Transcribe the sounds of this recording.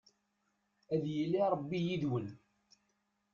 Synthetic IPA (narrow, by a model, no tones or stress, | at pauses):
æðjəlːiɾˤəbːijiðwən